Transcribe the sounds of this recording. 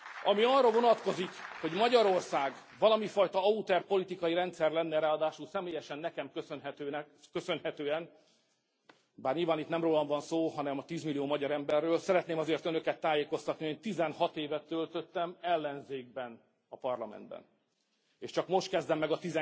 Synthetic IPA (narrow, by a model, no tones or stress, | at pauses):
ɒmiɒrːɒvo̞nɒt̪ko̞zikho̞ɟmɒɟɒɾo̞rsaːɡvɒlɒmifɒjt̪ɒɒut̪ɛrpo̞lit̪ikɒjiɾɛnt̪sɛrlɛnːɛɾaːɒd̪aːʃulsɛmeːjɛʃɛnːɛkɛmkøsønɦɛt̪øːn | køsø̞nhɛt̪øːɛn | baːrɲilvaːnit̪nɛmroːlɒɱvɒnsoːɦɒnɛmɒt̪iːzmilːijoːmɒɟɒɾɛmbɛrːøːlsɛɾɛt̪neːmɒzeːrt̪ønø̞kɛt̪ːaːjeːko̞st̪ɒt̪nihoeːnt̪izɛnhɒt̪eːvɛt̪ːølt̪ø̞t̪ːɛmɛlːɛnzeːɡ̚bɛn | ɒpɒrlɒmɛ̰nd̪bɛ̰n | eːʃt͡ʃɒkmo̞ʃt̪̚kɛzd̪ɛmːɛɡɒt̪izɛ